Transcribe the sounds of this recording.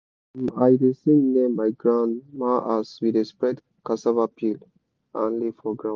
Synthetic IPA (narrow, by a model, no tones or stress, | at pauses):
ajɹisinɛmajɡɹãndmaʔaswidespɹɛd | kasavapʰil | ãnlifɔɡɹã